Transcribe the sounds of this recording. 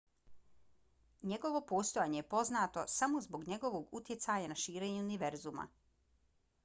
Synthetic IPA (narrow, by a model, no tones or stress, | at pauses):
ɲe̞ɡo̞ʋo̞po̞ːst̪ojaɲejepo̞znaːt̪o̞samo̞zbo̞ɡɲe̞ɡo̞ʋo̞ɡut̪je̞t̪sajanaʃiːɾe̞ːɲuuniʋe̞ɾzuma̰